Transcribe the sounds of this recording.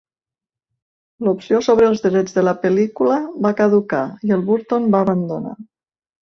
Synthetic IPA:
lupsiosoβɾəːlˠzðəɾɛd͡zðələpəlikuləβakəðukaiəlˠβuɾt̪onbaːβənd̪una̰

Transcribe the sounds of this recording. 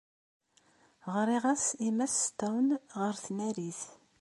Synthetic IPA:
ʁɾiʁasimæst̪ːæwnʁəɾθnæɾiθ

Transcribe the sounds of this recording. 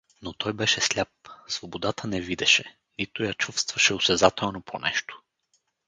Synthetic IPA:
not̪ɔjbɛʃɛslʲap̚svobod̪at̪ʰənɛvid̪ɛʃɛ | nit̪ʊjat͡ʃufst̪vɐʃɛosɛzat̪ʰɛlˠnopʰo̰nɛ̰ʃt̪o̥

